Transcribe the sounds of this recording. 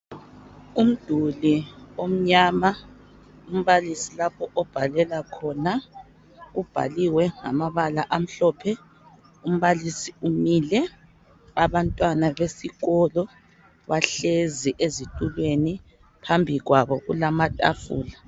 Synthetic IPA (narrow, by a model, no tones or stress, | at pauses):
um̩d̥ʱuliom̩ɲaːma | um̩βalisilapʰɔʔɔb̥ʱalɛlakʰɔna | ɣub̥ʱa̰liwɛŋa̰maβalaʔam̩ɬɔːpʰɛ | um̩βalisiumilɛ | aβantʼwanaβesiɣɔlɔ | βaɬeziʔezitʼulweni | pʰambʱiɣwaβɔɣṵlamatʼafṵːla